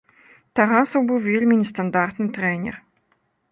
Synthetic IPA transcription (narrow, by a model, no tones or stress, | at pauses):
t̪aɾasɐwbɨwvʲelʲmʲinʲɛst̪and̪art̪nɨt̪ɾɛnʲɛ̰r